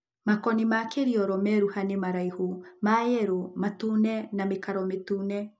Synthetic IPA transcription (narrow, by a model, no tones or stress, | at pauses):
makɔnimakeɾiɔɾɔmɛɾuhanemaɾaihumajɛɾumatunɛnamekaɾɔmetunɛ